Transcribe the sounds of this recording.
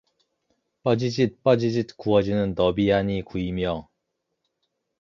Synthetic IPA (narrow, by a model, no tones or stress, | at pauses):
p͈ad͡ʑid͡ʑit̚p͈ad͡ʑid͡ʑit̚kuʌd͡ʑinɯnːʌbiaɲikuimjʌ